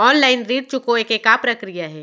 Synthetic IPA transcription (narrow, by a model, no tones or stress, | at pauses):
ɔːnlaːɪnɾiːɖ̚t͡ʃʊkoeːkekapɾɐkɾijaɦɛː